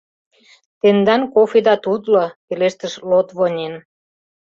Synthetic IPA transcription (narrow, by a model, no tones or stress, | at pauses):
t̪end̪ɑnkofid̪ɑt̪ud̪lokeleʃt̪əʃlot̪βonʲen